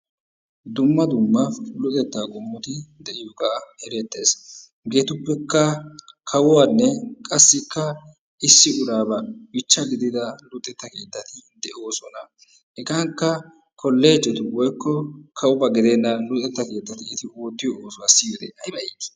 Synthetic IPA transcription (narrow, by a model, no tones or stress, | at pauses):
d̪ʊmːɐd̪ʊmːɐlʊt̪ʼɛt̪ːaːɡɔmːʊt̪ɪd̪ɛʔɪjokahɛɾɛt̪ːe̞ːs | ɡe̞ːt̪ʊpːɛkːɐkʰɐwʊwanːɛkʼɐsːɪkːɐ | ɪsːɪʊɾaːbɐbɪt͡ʃːɐɡɪd̪ɪd̪ɐlʊt̪ʼːɛt̪ːɐke̞ːt̪ːɐt̪ɪd̪ɛʔoːsɔnɐ | hɛkaŋkːɐ | kʰɔlːe̞ːd͡ʒɛt̪ʊwɔjkːɔkʰɐwʊbɐɡɪd̪enːɐlʊt̪ʼɛt̪ːɐke̞ːt̪ːɐt̪ɪːt̪ɪwɔt̪ːɪjɔoːsɔwasiɔd̪ḛːʔɐjbɐi̥